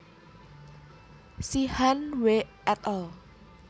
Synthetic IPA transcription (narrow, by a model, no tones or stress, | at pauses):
sihanweʔ | ɛt̪ɔl